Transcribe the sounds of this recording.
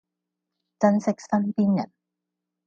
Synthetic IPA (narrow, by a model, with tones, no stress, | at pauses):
t͡sɐ˧nsɪ˥k̚sɐ˥npiː˥njɐ̰˨˩n